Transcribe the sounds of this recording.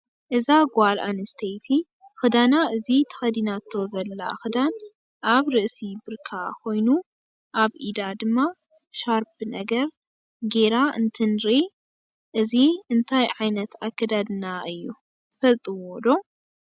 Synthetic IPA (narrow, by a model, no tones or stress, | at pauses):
ʔɨzaɡalʔa̰nɨst̪ʰejt̪ʰi | xɨd̪anaɨzit̪ʰɐ̥xɐd̪inat̪ʰːo̞zɐlːa̰xɨd̪an | ʔaβɾɨʔsibɨɾkʰakʰo̞jnu | ʔaβʔid̪ad̪ɨmːa | ʃaɾbɨnɐɡɐɾ | ɡe̞ɾaɨnt̪ʰɨnɾi | ʔɨziɨnt̪ʰajʕajnɐt̪ʰakːɐd̪ad̪ɨnaɨjːu | ɨfɐlt̪ʼɨwod̪o̞